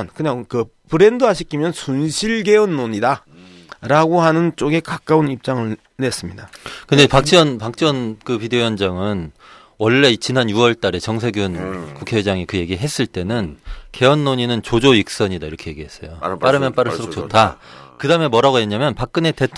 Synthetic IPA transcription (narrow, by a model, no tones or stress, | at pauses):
nkɯɲaŋkɯ | pɯɾe̞ndoɦaɕʰikʰimjʌnsunɕʰiɭɡe̞ʌnːoɲida | ɾaɡoɦanɯnt͡ɕ͈oɡe̞kak͈aunip̚t͡ɕ͈aŋɯɭ | ne̞s͈ɯmɲidakɯndepak̚t͡ɕ͈ʰiʌnpak̚t͡ɕ͈ʰiwʌnkɯpideojʌnd͡ʑaŋɯn | wʌɭːe̞t͡ɕinanjuwʌɭt͈aɾe̞t͡ɕʌŋsʰe̞ɡjunkukʰeed͡ʑaŋikɯje̞ɡiɦe̞s͈ɯɭt͈e̞nɯnke̞ʌnːoɲinɯnt͡ɕod͡ʑoik̚s͈ʌɲidaiɾʌkʰe̞je̞ɡiɦe̞s͈ʌ̰jop͈aɾɯmjʌnp͈aɾɯɭuɾokt͡ɕ͈otʰakɯdaɯmemwʌɾaɡoje̞ɲamjʌnpak̚k͈ɯne̞te̞tʰ